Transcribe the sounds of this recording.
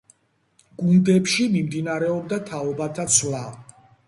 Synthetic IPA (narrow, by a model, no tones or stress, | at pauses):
ɡ̥und̪ɛpʃimimd̪inaɾɛɔb̚d̪at̪ʰaɔbat̪ʰat̪sʰla